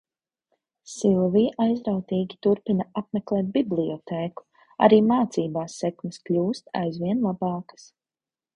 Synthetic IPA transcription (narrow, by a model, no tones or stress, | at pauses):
silˠviːʔajzɾawt̪iːɡʲit̪uɾpinɐaap̚mɛklˠɛːt̪̚bibliɔt̪ʰɛːku̥ | a̰ɾiːmaːt̪siːbaːsːɛkmʲɛsklʲuːst̪a̰jzviɛnlˠabɑːkə̥s